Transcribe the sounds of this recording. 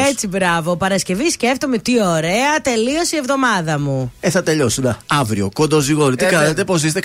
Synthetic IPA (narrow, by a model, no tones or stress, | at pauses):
e̞t͡sibɾɐvo̞pɐɾɐsce̞visce̞ft̪o̞met̪io̞ɾeɐt̪e̞lio̞sievðo̞mɐðɐmueθɐt̪e̞ʎo̞sunɐɐvɾio̞ko̞nd̪oziɣoɾit̪ikɐnet̪epo̞sist̪e